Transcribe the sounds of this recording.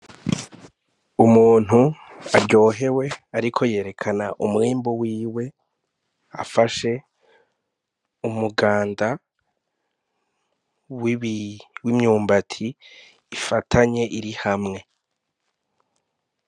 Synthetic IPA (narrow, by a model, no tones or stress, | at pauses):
umuːn̥uaɾɟo̞ːɦe̞we̞aɾikʰo̞je̞ːɾe̞kʰana̰ʔumwiːmbowiːwe̞ | a̰faʃe̞ | umuɡaːnda | w | wimɲuːmbatʰiː | fatʰaɲe̞ʔiɾihamŋe̞